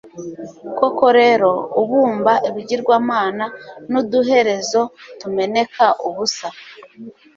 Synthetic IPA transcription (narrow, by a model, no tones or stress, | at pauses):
ko̞ko̞ɾe̞ɾo̞uβuːmbaʔeβiɟiɾɡwaːmaːnanuduɦe̞ɾe̞zo̞tume̞ne̞kʰaʔuβusa